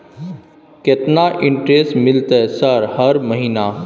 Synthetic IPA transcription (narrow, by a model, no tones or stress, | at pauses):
ket̪naʔɪ̃ɳʈɾeːsʈmɪlt̪ɛsəɾhɐɾməɦiːna